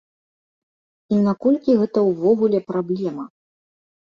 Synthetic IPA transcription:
inakɔlʲkʲiɣɛt̪ɐwvɔɣulʲɛpɾablʲɛmɐ

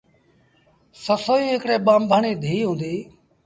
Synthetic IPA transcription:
səsoːiːɦɪkɽeːɓaːmbʱaːɳiːd̪ʱiːiːɦũːnd̪iː

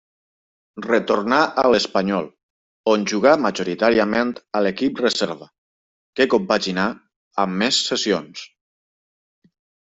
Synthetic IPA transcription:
rət̪oɾnaʔələspəɲɔlˠ | onʲʒuɣ̞aməʒuɾit̪aɾiəment̪ələkip̚rəzɛɾβə | kekompaʒina | əmːesːəsions

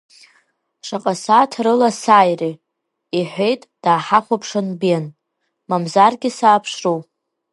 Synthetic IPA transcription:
ʂaqʼasatʰrɨlasaːjri | iħʷejtʼd̥aːħaχʷapʰʂɨnben | mamzarɡʲɪsaːpʰʂrow

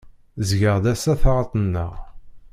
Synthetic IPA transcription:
zʝəʁd̪æsæθʁˤɑt̪ˤənːə̰ʁ

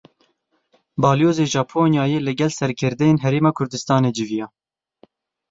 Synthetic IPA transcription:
bɑːlijoːzeːʒɑːpʰoːnjɑːjeːlɨɡɛlsɛɾkʰɨɾd̪ɛjeːnɦɛɾeːmɑːkʰʊɾd̪ɨst̪ɑːneːd͡ʒɪvijɑː

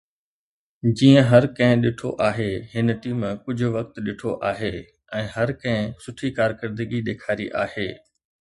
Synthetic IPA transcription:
d͡ʑiːə̃ɦɐɾkɐ̃ɦɪ̃ɗɪʈʰo̰ʔaːɦeɦɪnʈiːmkʊd͡ʑʱʊ̆ʋɐkt̪ɗɪʈʰoʔaːɦeː | ɛ̃ːɦɐɾkɐ̃ɦɪ̃sʊʈʰikaːɾkəɾd̪əɡiɗ̪eːkʰaːɾiʔaːɦeː

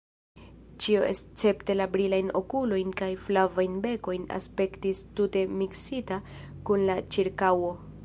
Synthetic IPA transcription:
t͡ʃio̞ʔe̞st͡se̞pte̞labɾilajno̞kulo̞jnkajflavajnbe̞ko̞jna̰spe̞ktistute̞miksita | kunlat͡ʃiɾkawo̞

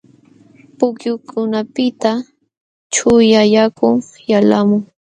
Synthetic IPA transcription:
pʊkjʊkʰʊnapɪt̪a | t͡ʃʊjajakʊŋ | jalamʊŋ

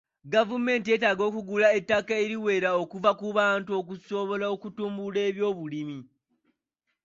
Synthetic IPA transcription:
ɡavume̞ːnt̬ie̞taːɡo̞ːkuɡulaetːakaeɾiwe̞ːɾao̞kuvakuβaːntuo̞kuso̞βo̞lao̞kutuːmbule̞ːβjo̞ːβulimi

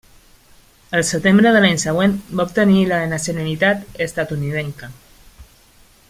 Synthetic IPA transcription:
əlsət̪embɾəðəlajnsaɣwenbaup̚t̪ənilanasjonalit̪at̪est̪at̪uniðeŋka

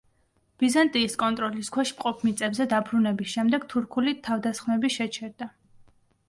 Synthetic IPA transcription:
b̥izant̪ʼiːskʼɔnt̪ʼɾɔliskʰwɛʃmqʼɔpʰmit̪sʼɛbzɛd̪abɾunɛbisʃɛmd̪ɛɡ̥t̪ʰuɾkʰulit̪ʰːavd̪asχmɛbiʃɛt͡ʃʰɛɾd̪a

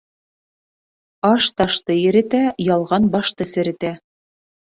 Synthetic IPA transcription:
ɑʃt̪ɑʃt̪ɤjɘ̆ɾɘ̆t̪æjɑlˠʁɑnbɑʃt̪ɤsɘ̆ɾɘ̆t̪æ

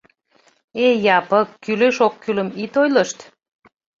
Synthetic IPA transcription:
ejɑpəkːyløʃokːyləmit̪ojləʃt̪

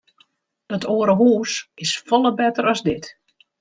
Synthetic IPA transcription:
dɔtoːəɾəɦuːsɪsfɔlˠəbɛtəɾɔzdɪt

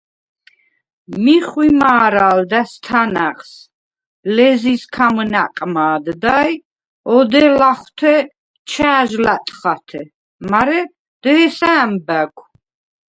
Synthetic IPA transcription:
miχwimaːɾald̪ast̪ʰanaχs | lɛziskʰamnaqʼmaːd̪d̪aj | ɔd̪ɛlaχwt̪ʰɛ | t͡ʃʰaːʒlat̪ʼχat̪ʰɛ | maɾɛ | d̪̥ɛːsaːmbæɡʰʷ

